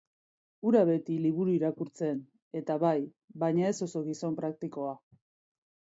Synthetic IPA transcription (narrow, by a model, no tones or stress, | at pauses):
uɾaβe̞t̪iliβuɾuiɾakuɾt͡se̞n | e̞t̪aβaj | βajɲae̞so̞so̞ɣiso̞mpɾak̚t̪iko̞a